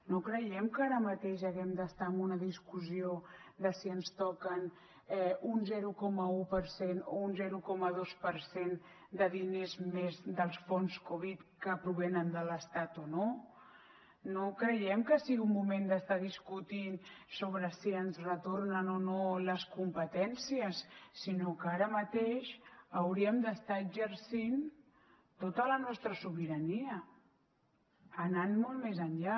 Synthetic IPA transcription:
nokɾəjɛmkaɾəmət̪eʃəɣɛmd̪əst̪aəmunəðiskuziod̪əsiənst̪ɔkən | ɛunzɛɾukɔməupəɾseno̰unzɛɾukɔməð̞ospəɾsen | d̪əðinezmezd̪əlˠsfonskoβ̞it̪kəpɾuβ̞ɛnənd̪ələst̪at̪ono | nokɾəjɛmkəsiɣiumːumend̪əst̪aðiskut̪insoβɾəsiənzrət̪ornənonoləskumpət̪ɛnsiəsːinokaɾəmət̪eʃəwɾiəmd̪əst̪aəɡʒəɾsin | t̪ot̪ələnɔst̪ɾəsuβiɾəniə | nanmolˠt̪mezəɲʎa

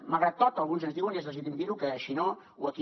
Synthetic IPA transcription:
malɣɾat̪ːɔt̪əlˠɣunzənzðiwəniɛzðəzit̪imd̪iɾukəːʃino | uəki

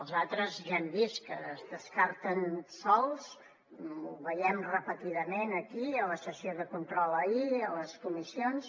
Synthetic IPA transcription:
əlˠzat̪ɾəzʒɛmbiskəːzðəskaɾt̪ənsɔlˠs | uβəjɛmrəpət̪iðəmenəkiələsəsioðəkunt̪ɾɔləiələskumisions

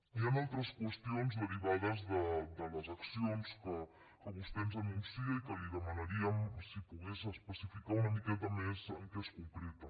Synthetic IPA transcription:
ianalˠt̪ɾəskwəst̪ionzðəriβaðəzðəd̪ələzɐksionskə | kəβust̪ɛmzənunsiɐikəliðəmanaɾiəmsipuɣesəspəsifikaunəmikɛt̪əmezəŋkeskuŋkɾɛt̪ɐ

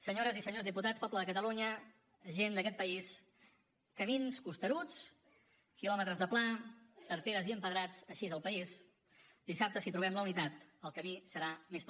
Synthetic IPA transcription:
səɲoɾəzisəɲozðiput̪at͡spɔbləðəkət̪əluɲəː | ʒend̪əkɛt̪̚pəis | kəminskust̪əɾut͡s | kilɔmət̪ɾəzðəplat̪əɾt̪eɾəziəmpəðɾat͡səʃizəlˠpəis | d̪̥isap̚t̪əsit̪ɾuβ̞ɛmləunit̪at̪əlˠkəmisəɾamesp

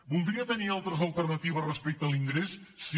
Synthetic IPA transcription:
bulˠd̪ɾiət̪ənialˠt̪ɾəzəlˠt̪ərnət̪iβ̞əzrəspɛk̚t̪əliŋɡɾesːi

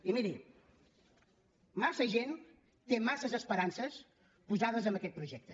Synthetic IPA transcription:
imiɾi | masəʒen | t̪emasəzəspəɾansəs | puzaðəzəmbəkɛt̪̚pɾuʒɛk̚t̪ə̥

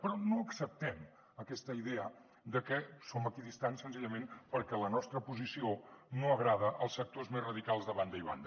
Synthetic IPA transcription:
pɾɔnoəksəp̚t̪ɛm | əkɛst̪əiðɛə | d̪əkɛsoməkiðist̪ansːənziʎəmenpəɾkɛlənɔst̪ɾəpuzisionoəɣɾað̞əʔəlˠsək̚t̪ozmezrəðikalˠzðəβand̪əiβa̰nd̪ə

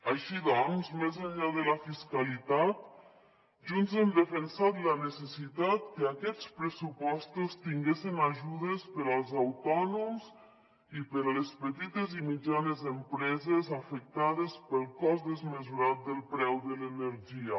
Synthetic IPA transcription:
aʃiðɔnzmezəɲʎaðələfiskalit̪at̪ | ʒunzemd̪əfənsat̪lənəsəsit̪at̪̚kəakɛt͡spɾəsupɔst̪ust̪iŋɡesinaʒuðəspəɾəlˠzawt̪ɔnumz | ipəɾələspət̪it̪ezimid͡ʒanezempɾɛzezafək̚t̪aðespəlˠkɔzd̪əzməzuɾat̪̚d̪əlˠpɾɛwðələnəɾʒiə

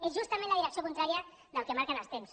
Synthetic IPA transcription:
ezʒust̪əmẽnləðiɾəksijokunt̪ɾaɾiə | ðəlˠkəmaɾkənəlˠst̪ems

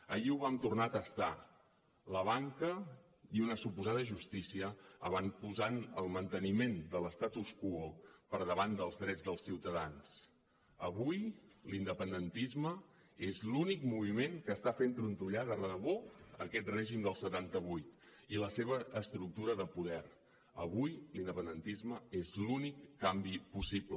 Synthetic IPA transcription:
əʎiuβamt̪urnat̪əst̪a | ləβ̞aŋkə | iunəsupuzað̞əʒust̪isiəə̰βanpuzanəlˠmənt̪ənimend̪ələst̪at̪uskuopəɾðəβand̪əlˠzðɾɛd͡zðəlˠsiwt̪əðans | əβujlind̪əpənd̪ənt̪izmə | ezlunikmuβ̞imeŋkəːst̪afent̪ɾunt̪uʎaðərəəβoəkɛt̪̚reʒimd̪əlˠsət̪ant̪əβ̞ujt̪iləseβ̞əʔəst̪ɾuk̚t̪uɾəðəpuðɛɾ | ə̰βujlind̪əpənd̪ənt̪izməezlunikːambipusiblə

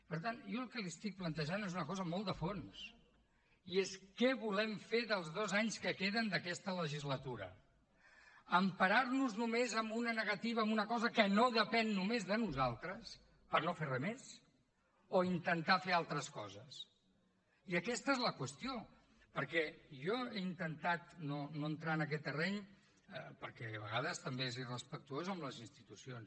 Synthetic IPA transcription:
pəɾt̪anjɔlˠkəliəst̪ik̚plənt̪əʒanezunəkɔzəmɔlˠd̪əfons | ieskɛβulɛmfeðəlˠzðozaɲskəkeðənd̪əkɛst̪ələʒizlət̪uɾə̰ | əmpəɾaɾnuznumezəmbunənəɣət̪iβ̞əːmunəkɔzəkənoðəpɛnːumezðənuzalˠt̪ɾəs | pəɾnoferɛmes | oint̪ənt̪afealˠt̪ɾəskɔzəs | iəkɛst̪əezləkwəst̪io | pəɾkɛʒɔeint̪ənt̪at̪nonoənt̪ɾaənək̬ɛt̪ːərɛɲ | pəɾkɛəβəɣaðəst̪əmbeezirəspək̚t̪uozəmləzinst̪it̪usions

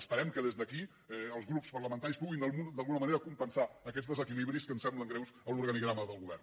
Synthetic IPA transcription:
əspəɾɛmkəðezðəki | ɛəlˠzɣɾupspərləmənt̪aɾispuɣind̪əud̪əlˠɣunəməneɾəkumpənsaəkɛd͡zzðəzəkiliβɾiskənsɛmbləŋɡɾɛwsəluɾɣəniɣɾaməðəlˠɣuβɛrn

